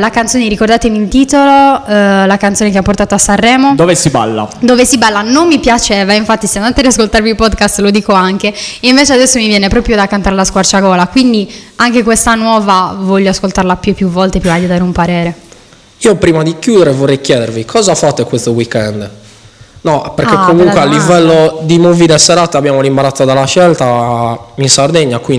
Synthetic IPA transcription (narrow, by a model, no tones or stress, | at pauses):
lakant̪soːneɾikord̪aːt̪emilt̪iːt̪ololakant̪soːnekeapːort̪aːt̪oasːarːɛːmod̪oːvesiba̰lːa̰d̪oːvesibalːanomːipjat͡ʃɛːvaiɱfat̪ːiseand̪at̪ead̪iaskolt̪arvilpɔd̪kast̪lod̪iːkoaŋk̟eeiɱveːt͡ʃead̪ɛsːomivjɛːnepɾɔːpɾjod̪akːant̪aɾelaskwart͡ʃaɡɔːlakwind̪iaŋkekwest̪anwɔːvavɔʎːoaskolt̪arlapjupːjuvɔlt̪epɾimad̪id̪aːɾeumpaɾɛːɾe | iːopɾiːmad̪ikjuːd̪ɛɾevorːejkjɛːd̪eɾvikʰɔːzafat̪ekwest̪owikːɛnd̪ | nɔpeɾkkekːomuŋkwealːivɛlːod̪imoviɾɛsɛɾaːt̪eabjaːmolimbaɾat̪ːod̪alːaʃɛlt̪a | insard̪eɲːakwi